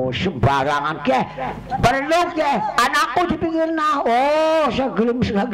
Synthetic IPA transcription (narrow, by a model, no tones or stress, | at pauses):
səmbaɾaŋankɛh | pərlukjɛhanakud̪i̤pikirnahosaɡlimsəɡaɡ